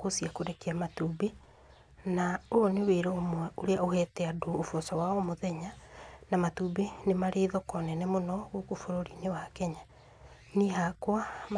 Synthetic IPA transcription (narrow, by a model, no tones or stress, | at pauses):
kosiakoɾɛkeamatube | naoneweɾɔomwɛoɾeaohɛtɛadoːfɔsɔwaɔmoðɛɲanamatubenemaɾeːðɔkɔnɛnɛmonɔɣokofoɾoɾinewakɛɲa | niɦakwam